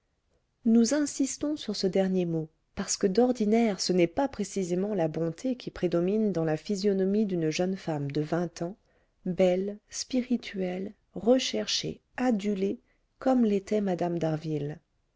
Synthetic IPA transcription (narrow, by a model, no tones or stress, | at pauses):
nuzɛ̃sist̪ɔ̃syʁsəd̪ɛʁnjemo | paʁsə̥kəd̪ɔʁd̪inɛʁsənɛpapχesizemɑ̃labɔ̃t̪ʰekʲʰipχed̪ɔmind̪ɑ̃lafizjɔnɔmid̪ynʒənfamd̪əvɛ̃t̪ɑ̃ | bɛlspiʁit̪ʰɥɛl | ʁəʃɛʁʃḛ | ad̪yle | kɔmlet̪ɛmad̪amd̪aʁvil